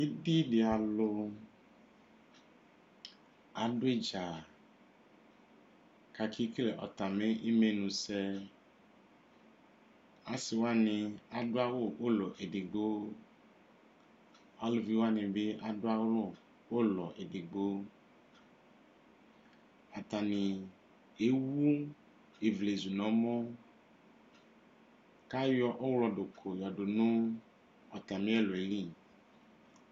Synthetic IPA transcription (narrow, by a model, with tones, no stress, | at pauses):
i˦di˦dɪ˨a˨lʊ˧ | a˨˦dʊ˦e˦˨d͡ʒa˨ | ka˧kʰi˦klɛ˨ʔɔ̰˨ta˨me˦ʔi˦me˦nũ˧sɛ˧ | a˨˦sɪ˨wa˦nɪ̃˧a˨dʊ˦a˦wʊ˦˨ʔo˦lɔ˨ʔe˨di˨ɡ͡bo˦ | a˦lo˨vi˦wo˦a˦nẽ˨be˦a˨ɖo˦a˦wlɔ˦˨ | wo˦lɔ˨ʔe˨ɖe˨ɡ͡bo˦ | a˨t̪a˨nẽ˨ | e˦wu˦ | e˨vle˨zu˨nɔ̃˨˦mɔ̃˦ | ka˦jɔ˦ʔɔ˦wlɔ˨ɖo˨kʰo˨jɔ˨ɖo˨nũ˦ | ɔ˨t̪a˨mẽ˦e˦lo˨e˨li˦˨